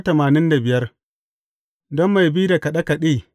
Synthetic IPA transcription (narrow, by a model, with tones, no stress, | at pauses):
tɐ˨maː˨nɪ˦nda˨bɪ˨jɐ˦r | dɔ˦mːa˨jbi˦da˨kɐ˨ɗɐ˦ka˨ɗi˦˨